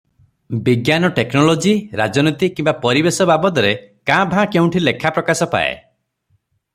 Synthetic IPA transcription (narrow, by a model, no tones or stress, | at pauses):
biɡjanɔʈeknɔlod͡ʒiɾa̰d͡ʒɔnɔt̪ikimbapɔɾibesɔbabɔd̪ɔɾekãbʱãkeũʈʰilekʰapɾɔkasɔpa̰ḛ